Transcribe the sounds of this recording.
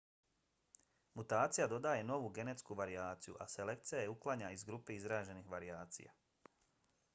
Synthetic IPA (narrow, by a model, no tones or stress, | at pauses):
mut̪aːt̪sijad̪o̞d̪aːjeno̞ʋuɡe̞net̪skuʋaɾiaːt̪sijṵʔa̰se̞lek̚t̪sijajeuklˠaɲaizɡɾupeizɾaːʒe̞nixʋaɾiaːt̪sḭja̰